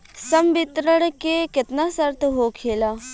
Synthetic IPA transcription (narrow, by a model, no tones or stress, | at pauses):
sɐmbɪt̪ɾəɽ̃kekɪt̪nasəɾt̪ɦoːkʰeːlaː